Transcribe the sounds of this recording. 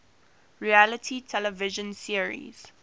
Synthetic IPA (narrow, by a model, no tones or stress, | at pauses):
ɹialətʰitʰɛləvɪʒə̃nsiəɹḭz̥